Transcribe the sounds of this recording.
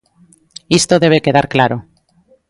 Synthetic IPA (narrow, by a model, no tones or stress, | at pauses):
ist̪oðe̞β̞eke̞ðaɾklaɾo